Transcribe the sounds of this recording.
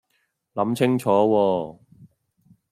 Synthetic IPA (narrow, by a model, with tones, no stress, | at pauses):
lɐ˨˧˥mt͡sʰɪ˥ŋt͡ʃʰɔː˨˥wɔː˧